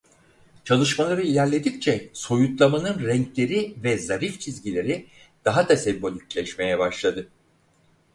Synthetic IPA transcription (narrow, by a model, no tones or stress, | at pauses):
t͡ʃʰalˠɯʃmalˠaɾɯilʲæɾlʲed̪ict͡ʃʰɛso̞jut̪lˠamanɯnɾɛɲclʲe̞ɾivɛzaɾift͡ʃʰizɟilʲe̞ɾi | d̪̥aɦat̪ʰasɛbbolʲyclʲɛʃme̞jɛbaʃlˠad̪ɯ